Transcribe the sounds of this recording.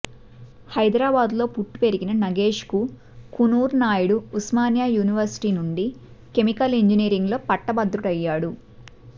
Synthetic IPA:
hɐjd̪ɾaːbaːd̪lo̞ːpuʈːu̥pe̞ɾiɡinɐnɐɡe̞ːʂku | kunuːɾnaːjuɽuusmaːnjaːjuːniʋɐɾsi̥ʈiːnuɳɖi | ke̞mikɐliɲd͡ʒiniːɾiŋɡlo̞ːpɐʈːɐbɐd̪ɾuʈɐjːaːɽu

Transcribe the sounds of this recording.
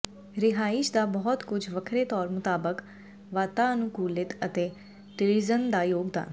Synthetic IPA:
ɾɪɦaːɪʃd̪aːbɔɦɔt̪kʊd͡ʒʱʋəkʰɾeːt̪ɔːɾmʊt̪aːbək | ʋaːt̪aːənũːkuːlɪt̪ət̪eː | t̪ɪɾizənd̪aːjoːɡd̪a̰ːn

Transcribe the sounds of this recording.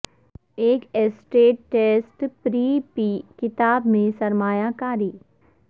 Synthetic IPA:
eːkesʈeːʈːeːsʈpɾiːpiːkɪt̪aːbmẽsɐɾmaːjakaːɾiː

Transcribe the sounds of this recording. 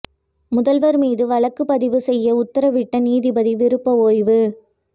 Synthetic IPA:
mʊðɐlʋɐɾmiːðɯʋɐɭɐkːɯpɐðɪʋɯsɛjːɐʊt̪ːɐɾɐʋɪʈːɐniːðɪbɐðiʋɪɾɯpːɐoːjʋɯ

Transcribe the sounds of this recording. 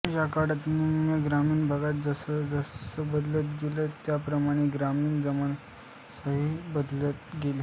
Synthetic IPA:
jakaɽat̪niməɡɾamiːnbʱəɡat̪̚d͡zəsəd͡zəsəbəd̪lət̪ɡelət̪japɾəmaɽ̃eɡɾamiːɳd͡zəməɳ | səɦibəd̪lət̪ɡeli

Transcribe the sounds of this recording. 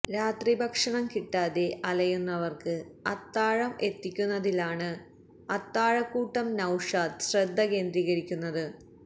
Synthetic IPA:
ɾaːt̪ribʱɐkʂɐɳɐmkiʈːaːðe̞ʔɐlɐjunːɐʋɐrkɨɐt̪ːaːɻɐme̞t̪ːikʲːunːɐðilaːɳɨ | ɐt̪ːaːɻɐkːuːʈːɐmnɐwʂaːd̪ɕred̪ʱːɐke̞ːnd̪riɣɐɻikʲːunːɐðɨ

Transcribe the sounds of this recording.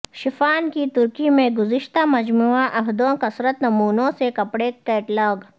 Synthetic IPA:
ʃɪfaːnkit̪ʊɾkimẽɡʊzɪʃt̪amɐd͡ʒmuːaʔɐɦd̪õkɐsɾət̪nɐmuːnõsekɐpɽek̪eːʈlɔːɡ

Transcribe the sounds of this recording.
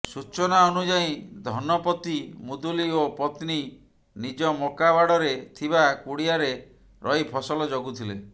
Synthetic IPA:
sut͡ʃɔnaɔnud͡ʒaĩd̪ʱɔnɔpɔt̪imud̪uliopɔt̪ni | nid͡ʒɔmokabaɽɔɾet̪ʰibakuɽiaɾe | ɾʔɔjpʰɔsɔlɔd͡ʒoɡut̪ʰile

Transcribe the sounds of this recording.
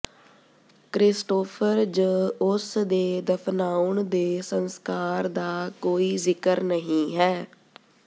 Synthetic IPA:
kɾɪsʈoːpʰəɾd͡ʒəʊsd̪eːd̪əpʰnaːʊɳd̪eːsənskaːɾd̪aːkoːiːzɪkəɾnəɦĩːɦɛː

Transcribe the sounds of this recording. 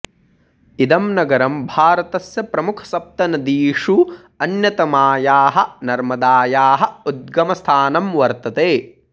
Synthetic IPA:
id̪ɐmnɐɡɐɾɐmbʱaːɾɐt̪ɐsjɐpɾɐmukʰɐ̥sɐp̚t̪ɐnɐd̪iːʂu | ɐnjɐt̪ɐmaːjaːɦɐ̆nɐɾmɐd̪aːjaːɦɐ̆ud̪̚ɡɐmɐst̪ʰaːnɐmʋɐɾt̪ɐt̪eː

